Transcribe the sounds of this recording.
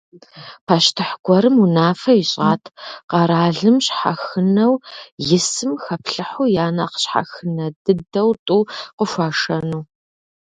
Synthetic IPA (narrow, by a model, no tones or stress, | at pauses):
pʰaʃtʰɨħɡʷɔɾɨmunaːfɐjɪɕʼaːtʰqɐɾaːɮɨmɕħa̰xɨnɐwjɪsɨmxɐpʰɬɨħujaːnɐqə̥ɕħa̰xɨnɐdɨdɐwtʼuːqəʃʷaːʂɐnuː